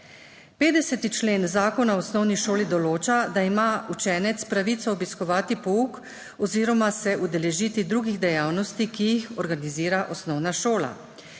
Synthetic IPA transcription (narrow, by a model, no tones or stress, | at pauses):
peːd̪ɛsɛt̪it͡ʃleːnzaːkɔnaɔsnɔwniʃoːlid̪ɔloːt͡ʃad̪aimaut͡ʃɛːnɛt̪spɾaʋit̪sɔɔbiskɔʋaːt̪ipɔuk | ɔziːɾɔmasɛʔud̪ɛlɛʒiːt̪id̪ɾuːɡiɣd̪ɛjaːwnɔst̪ikijixɔɾɡaniziːɾaʔɔsnɔwnaʃoːla̰